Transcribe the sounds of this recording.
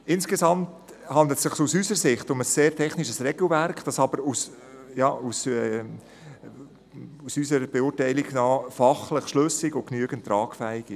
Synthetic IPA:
ɪnskesɑmt | hɑnd̪lət̪sɪχsusysəsɪχtʊməsːeːɾtʰɛχniʃəsrɛɡ̥l̩værkχd̥ɑsɑb̥əɾus | jɑːusɛ | usysəɾb̥eʊːɾtɛɪliɡnɑːfɑχləχʃlɵsikʊknyəɡəntːɾɑːkfæɪɡɪ

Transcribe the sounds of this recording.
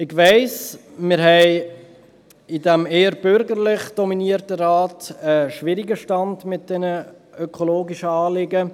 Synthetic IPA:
ɪɡʋæɪs | mɪɾɦɛɪ | ɪdɛmeːəɾb̥ʏɾɡəɾlɪχd̥ɔminiəɾtəɾɑːtəʃʋɪɾiɡəʃtɑndmɪt̚d̥ɛnə | œkʰoloːɡiʃəɑːlɪɡə

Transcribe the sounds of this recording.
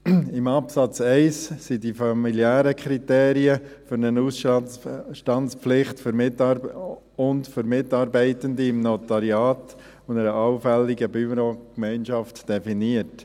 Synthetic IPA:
ɪmɑpsɑt͡sɛɪssidifɑmiljæːɾəkʰɾiteːɾiəfʏɾnənus | ʃtɑntt͡spp͡flɪχtføɾ | ʊntfʏɾmɪtɑɾbɛɪtəndiɪmnotaɾjɑːt | ʊndɛɾəʔɑʊfɛlːiɡəbyɾokmɛɪnʃɑftd̥ɛfiniət

